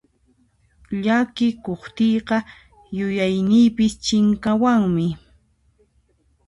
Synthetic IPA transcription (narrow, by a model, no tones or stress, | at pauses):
ʎakɪkoχt̪ijɢɑ | jʊjajnɪjpɪst͡ʃɪŋkawaŋmɪ